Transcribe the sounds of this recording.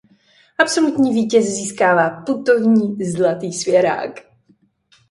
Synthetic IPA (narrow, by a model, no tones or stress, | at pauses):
ʔapso̞lut̪ɲiːviːcɛsziːskaːvaːput̪o̞vɲiːzlat̪iːsvjɛɾa̰ːk